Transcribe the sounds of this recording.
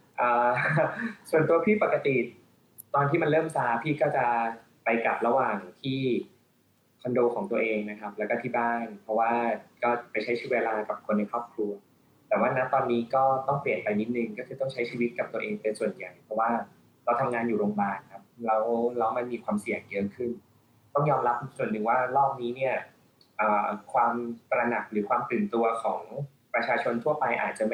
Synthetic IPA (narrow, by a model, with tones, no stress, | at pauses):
ʔaː˨˩ | su˨˩ənt̪u˧ɐpʰiː˥˩pa˨˩kːa˧t̪i˨˩ | t̪ɔː˧nt̪ʰiː˥˩ma˧nlɤː˥˩msaː˦˥pʰiː˥˩kɔː˥˩t͡ɕa˨˩ | pa˧jka˨˩p̚ɾa˧waː˨˩ŋt̪ʰiː˥˩ | kʰɔ˧ndoː˧kʰɔː˩˦ŋt̪u˧ɐəʔeː˧ŋna˦˥kʰa˦˥p̚lɛː˦˥wkɔː˥˩iː˥˩baː˥˩npʰɾɔ˦˥waː˥˩kɔː˥˩˨pa˧jt͡ɕʰa˦˥jt͡ɕʰɯ˦˥weː˧laː˧ka˨˩p̚kʰo˧nːa˧jkʰɾɔː˥˩p̚kʰlu˧ɐ | t̪ɛː˨˩waː˥˩na˦˥t̪ɔː˧nːiː˦˥kɔː˥˩t̪ɔ˥˩ŋpli˨˩ənpa˧jni˦˥t̪̚nɯ˧˩ŋkɔː˥˩kʰɯː˧t̪ɔ˥˩ŋt͡ɕʰa˦˥jt͡ɕʰiː˧wi˦˥t̪̚ka˨˩p̚t̪u˧ɐʔeː˧ŋpe˧nsu˨˩ənja˨˩jpʰɔ˦˥waː˥˩ | ɾa˧˩wt̪ʰa˧mŋaː˧njuː˨˩ɾoː˧ŋbaː˨˩n̚kʰa˦˥p̚lɛ˦˥wlɛ˦˥wma˧nmiː˧kʰwaː˧msi˨˩əŋjɤ˦˥kʰɯ˥˩n | t̪ɔ˥˩ŋjɔː˧mɾa˦˥p̚su˨˩ənːɯ˨˩ŋwaː˥˩lɔː˥˩p̚niː˦˥ni˥˩ɐ | ʔəː˨˩kʰwaː˧mpɾa˧na˨˩k̚ɾɯː˩˦˥kʰwaː˧mt̪ɯː˨˩nt̪u˧ɐkʰɔː˩˦ŋ | pɾa˧t͡ɕʰaː˧t͡ɕʰo˧nt̪ʰu˥˩ɐpa˧jʔa̰ː˨˩t̪̚t͡ɕa˨˩m˥